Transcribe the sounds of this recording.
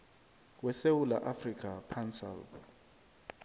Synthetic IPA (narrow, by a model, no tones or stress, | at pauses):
wɛsewula̰ʔafrikʰʼapʰansɛ̰l